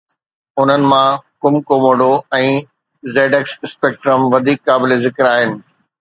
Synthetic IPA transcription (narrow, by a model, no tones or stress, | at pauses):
ʊn̤ənɪ̆mãkʊmkomoːɖoɛ̃ː | zeːɖeksɪspeːk̚ʈɾəmʋɐd̪ʱiːkːaːbɪlezɪkɾaːɦɪnɪ̆